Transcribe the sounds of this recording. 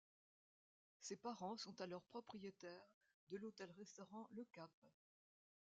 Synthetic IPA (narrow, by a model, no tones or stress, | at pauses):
sepaʁɑ̃sɔ̃t̪alœʁpχɔpχijet̪ɛʁ | d̪əlot̪ɛlʁɛst̪ɔʁɑ̃ləkap